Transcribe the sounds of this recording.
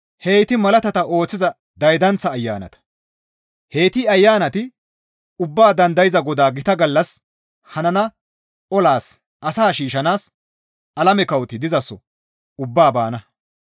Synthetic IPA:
he̞ːt̪ɪmɐlɐt̪ɐt̪ɐʔo̞ːt͡sːɪzɐ | d̪ɐjd̪ɐnt͡sːɐːjːa̰ːnɐ̰t̪ɐ̥ | he̞ːt̪ɪɐjːaːnɐt̪ɪ | ʊbːaːd̪ɐnd̪ɐjɪzɐɡɔd̪aːɡɪt̪ɐɡɐlːɐs | hɐnɐnɐ | ʔɔlaːs | ʔɐsaːʃiːʃɐnaːs | ɐlɐmɛkɐwt̪ɪd̪ɪzɐsːɔ | ʊbːaːbaːnɐ

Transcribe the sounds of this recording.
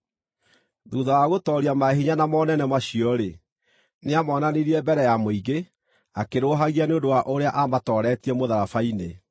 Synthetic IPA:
ðuːðawaɣotɔɾiamaɦiɲanamɔnɛnɛmaɕiɔɾe | neamɔnaniɾiɛbɛɾɛjamoiɡe | akeɾoːɦaɣianeondowaʔoɾeaʔamatɔɾɛtiɛmoðaɾafaine

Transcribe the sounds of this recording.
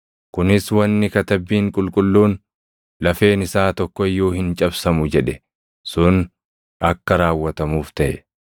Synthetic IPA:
kʊnɪswɐnːɪkɐt̪ɐbːiːŋkʼʊlkʼʊlːuːn | lɐfe̞ːnɪsaːt̪ɔkːɔɪjːoːhɪnt͡ʃʼɐbsɐmʊd͡ʒɛᶑɛ | sʊn | ɐkːɐɾaːwːɐt̪ɐmuːft̪ɐʔɛ

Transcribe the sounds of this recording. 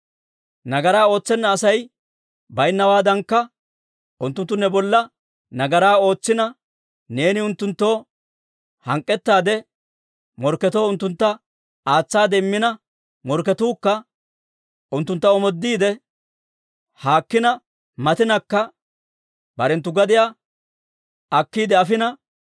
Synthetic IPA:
nɐɡɐɾaːo̞ːt͡sːɛnːɐːsɐj | bɐjnːɐwaːd̪ɐŋkːɐ | ʔʊnt̪ːʊnt̪ːʊnːɛbɔlːɐ | nɐɡɐɾaːo̞ːt͡sːɪnɐ | ne̞ːnɪʊnt̪ːʊnt̪ːo̞ː | hɐŋkʼːɛt̪ːaːd̪ɛ | mɔɾkːɛt̪o̞ːʊnt̪ːʊnt̪ːɐ | aːt͡sːaːd̪ɛmːɪnɐ | mɔɾkːɛt̪uːkːɐ | ʔʊnt̪ːʊnt̪ːɐɔmɔd̪ːiːd̪ɛ | haːkːɪnɐ | mɐt̪ɪnɐkːɐ | bɐɾɛnt̪ːʊɡɐd̪ɪjaː | ʔɐkːiːd̪ɛɐfɪnɐ

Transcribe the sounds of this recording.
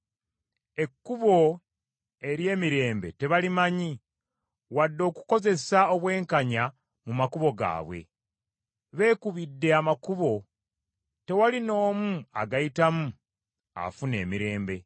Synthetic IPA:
e̞kːuβo̞ | e̞ɾje̞ːmiɾe̞ːmbe̞̰te̞βalimaɲi | wadːo̞ːku̥ko̞ze̞sao̞βwe̞ːŋkaɲa | mumakuβo̞ɡa̰ːβwe̞̰ | βe̞ːkuβidːe̞amakuβo̞ | te̞walino̞ːmua̰ɡajitamu | a̰fune̞̰ːmiɾe̞ːmbe̞

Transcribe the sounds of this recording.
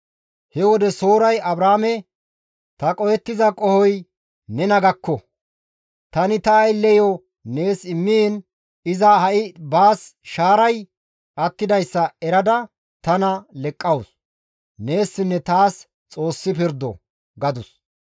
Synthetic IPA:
hɛwɔd̪ɛso̞ːɾɐjɐbɾaːmɛ | t̪ɐkʼɔjɛt̪ːɪzɐkʼɔhɔj | nɛnɐɡɐkːɔ | t̪ɐnɪt̪ɐːjlɛjɔ | ne̞ːsɪmːin | ɪzahɐʔɪbaːsʃaːɾɐj | ʔɐt̪ːɪd̪ɐjsːɐɛɾɐd̪ɐ | t̪ɐnɐlɛkʼːɐws | ne̞ːsːɪnːɛt̪aːs | t͡sʼo̞ːsːɪpɪɾd̪ɔ̰ | ɡɐd̪ʊs

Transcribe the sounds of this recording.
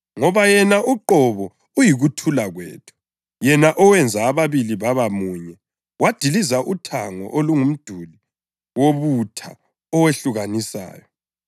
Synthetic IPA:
ŋɔβajɛnaʔuǃɔβɔ | ujiɣutʰulaɣwɛ̰ːtʰu̥ | jɛnaʔɔwɛnd͡zʱaːβaβiliβaβamuɲɛ | wad̥ʱilizaʔutʰaŋɔ̰ʔoluŋum̩d̥ʱuli | woβutʰa̰ | ɔweɬuɣanisa̰ːjɔ

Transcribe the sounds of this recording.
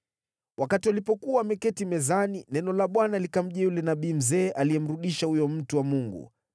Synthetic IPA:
wʔakatiwalipɔkuamɛkɛtimɛzaninɛnɔlaɓwanalikam̩ʄɛjulɛnaɓiːm̩zɛːʔalijɛm̩ɾuɗiʃahujɔm̩tuwamuŋɡṵ

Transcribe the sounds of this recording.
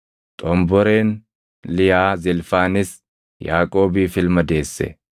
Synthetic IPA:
t̪ʼɔmbɔɾe̞ːn | lɪjaːzɪlfaːnɪs | jaːkʼo̞ːbiːfɪlmɐd̪e̞ːsːɛ̰

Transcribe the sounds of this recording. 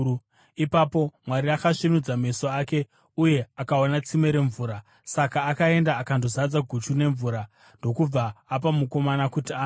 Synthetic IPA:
ipapo̞mwaɾiakaʂinud͡zameso̞ake̞ | uje̞akaonat͡sime̞ɾe̞ɱvuːɾa | sakaːkae̞ndaːkandozad͡zaɡʱut͡ʃune̞ɱvuːɾa | ndo̞kub͡vaːp̬amuko̞manakutiaː

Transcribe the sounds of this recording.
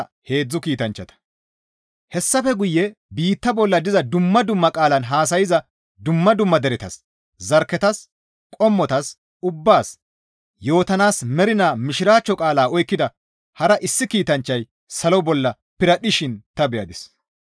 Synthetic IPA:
he̞ːd͡zːʊkiːt̪ɐnt͡ʃːɐt̪ɐ̥ | hɛsːɐfɛɡʊjːɛbiːt̪ːɐbɔlːɐd̪ɪzɐd̪ʊmːɐd̪ʊmːɐkʼaːlɐnɦaːs̬ɐjɪzɐ | d̪ʊmːɐd̪ʊmːɐd̪ɛɾɛt̪ɐs | zɐɾkːɛt̪ɐs | kʼɔmːɔt̪ɐs | ʊbːaːs | jo̞ːt̪ɐnaːsmɛɾɪnaːmɪʃɪɾaːt͡ʃːɔkʼaːlaːɔjkːɪd̪ɐ | hɐɾɐʔɪsːɪkiːt̪ɐnt͡ʃːɐj | sɐlɔbɔlːɐ | pɪɾɐɗɪʃɪnt̪ɐbɛjɐd̪ɪs

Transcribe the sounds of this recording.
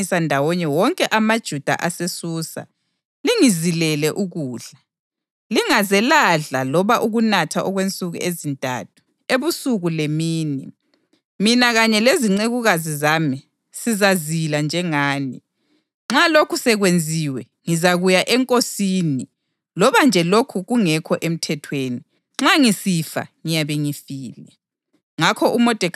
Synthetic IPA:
isandʱawɔɲɛwɔŋkʼɛʔamad̥ʒ̥ʱud̥ʱa̰ʔasesuːsa̰ | liŋizilɛlɛʔuɣuːɮa | liŋazɛlaɮalɔβaʔuɣunatʰaʔɔɣwent͡sʼuɣṵʔezintʼa̰tʰu̥ | eβusuɣulemiːni | minaɣaɲɛleziŋ͡ǀeɣuɣazizami | sizaziland͡ʒʱɛŋaːnḭ | ŋ͡ǁalokʰusɛɣwend͡zʱiwɛ | ŋizaɣujaʔɛŋkʼosiːni | lɔβand͡ʒʱɛlokʰuɣuŋɛkʰɔʔem̩tʰɛtʰweːni | ŋ͡ǁaŋisifa̰ŋijaβeŋifiːlɛ | ŋakʰɔʔumɔd̥ʱɛ

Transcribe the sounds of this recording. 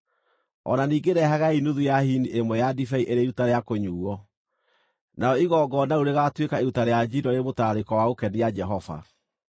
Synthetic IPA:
ɔ̰naniːɡeɾɛɦaɣainuðujahiniʔemwɛjadifɛiʔeɾeɾutaɾeakoɲuːɔ | naɔiɣɔɡɔnauɾeɣatwekaeɾutaɾead͡ʒiɾɔɾemotaːɾekɔwaokɛnijad͡ʒɛɦɔva̰

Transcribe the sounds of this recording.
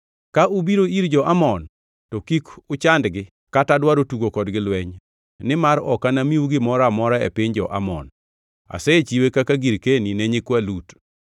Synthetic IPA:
kaʔubiɾoiɾd͡ʒɔʔamɔn | tɔkikʊt͡ʃandɡɪ | katadwaɾotuɡokɔdɡɪlwɛɲ | nɪmaɾɔ̰kanamiwuɡɪmɔɾamɔɾaḛpɪɲd͡ʒɔʔa̰mɔ̰n | a̰sɛt͡ʃiwekakaɡiɾkenineɲɪkwalut

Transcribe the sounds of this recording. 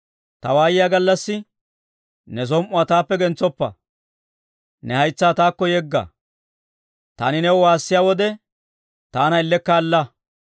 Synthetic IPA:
t̪ɐwaːjɪjaɡɐlːɐsːɪ | nɛs̬ɔmʔʊaːt̪aːpːɛɡɛnt͡sːɔpːɐ̰ | nɛhɐjt͡sːaːt̪aːkːɔjɛɡːɐ̰ | t̪aːnɪnɛwɔwaːsːɪjaːwɔd̪ɛ | t̪aːnɐɪlːɛkːaːlːɐ

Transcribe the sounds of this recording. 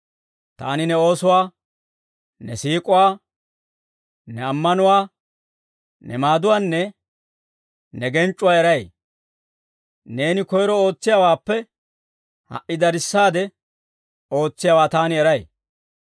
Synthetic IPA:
t̪a̰ːnɪnɛo̞ːsʊwaː | nɛsiːkʼʊwaː | nɛɐmːɐnʊwaː | nɛ̰maːd̪ʊwaːnːɛ | nɛɡɛnt͡ʃʼːʊwaːɛɾɐj | ne̞ːnɪkɔjɾɔo̞ːt͡sːɪjaːwaːpːɛ | hɐ̰ʔɪd̪ɐɾɪsːaːd̪ɛ | o̞ːt͡sːɪjaːwaːt̪aːnɪɛɾɐj

